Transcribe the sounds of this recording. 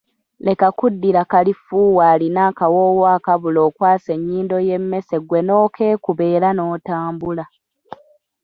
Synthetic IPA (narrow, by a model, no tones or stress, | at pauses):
le̞kakudːiɾakalifuːwaːlinaːkawoːwaːkaβulo̞ːkwaːse̞ɲːiːndo̞je̞mːe̞se̞ɡwe̞no̞ːkʰe̞ːkuβe̞ːɾano̞ːtaːmbula